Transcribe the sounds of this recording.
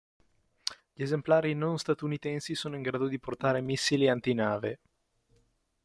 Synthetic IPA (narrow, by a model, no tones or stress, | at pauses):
ʎiezemplaːɾinonst̪at̪unit̪ɛnsisoːnoiŋɡɾaːd̪od̪iport̪aːɾemisːiliant̪inaːve